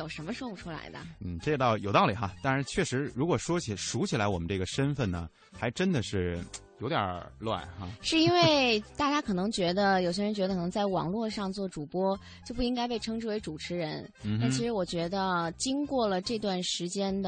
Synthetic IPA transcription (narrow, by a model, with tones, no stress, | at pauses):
jo˨˩ʊʂə˧˥nmə˧ʂwɔ˥u˥˩ʈ͡ʂʰu˥la̰˧˥ɪd̪ə̰˧n̩˥˩ʈ͡ʂe˥˧t̪ɑ˥˧˩ʊjo̰˨˩t̪ɑ˥˩ʊli˨˩xɐ˦t̪a˥˧nɻ̩˥˧t͡ɕʰɥɛ˥˩ʂɻ̩˧˥ɻu˧˥kwɔ˨˩ʂwɔ˥t͡ɕʰi˨˩ʂu˧˥t͡ɕʰi˨˩la˧˥wɔ˨˩mə˦nʈ͡ʂɤ˥˩ɡə˩ʂə˥nfə˥˩nnə̰˩ | xa˧˥ɪʈ͡ʂə˥nd̪ə˨ʂɻ̩˥˩jo˧˥ʊt̪jɑ̰˨˩lwa̰˥˩nxa̰˥˧ʂɻ̩˥˧i˥nwe˥˩ɪt̪a˥˩t͡ɕja˥kʰɤ˨˩nɤ˧˥ŋt͡ɕɥɛ˧˥d̪ə˧jo˨˩ʊɕjɛ˥ɻə˧˥nt͡ɕɥɛ˧˥d̪ə˧kʰɤ˨˩nɤ˧˥ŋt͡sa˥˩ɪwɑ̰˨˩ŋlwɔ˥˧ʂɑ˥˧ŋt͡swɔ˥˩ʈ͡ʂu˨˩pwɔ˥ | t͡ɕjo˥˧ʊp̬u˥˩i˥ŋka˥ɪpe˥˩ɪʈ͡ʂʰɤ˥ŋʈ͡ʂɻ̩˥˩we˧˥ɪʈ͡ʂu˨˩ʈ͡ʂʰɻ̩˧˥ɻə˧˥n̩˥˧˥nt͡ɕʰi˧˥ʂɻ̩˧˥wɔ˨˩t͡ɕɥɛ˧˥d̪ə˧t͡ɕi˥ŋkwɔ˥˩lə˩ʈ͡ʂɤ˥˧t̪wa˥˩nʂɻ̩˧˥t͡ɕjɛ˥nd̪ə